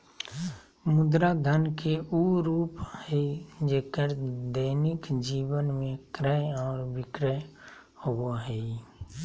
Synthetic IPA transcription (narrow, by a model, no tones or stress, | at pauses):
mʊd̪ɾad̪ʱənkeuːɾuːphɛd͡ʒeːkəɾd̪əːnɪkd͡ʒiːwənmẽkɾəɔːɾbɪkɾə | hooɦɛi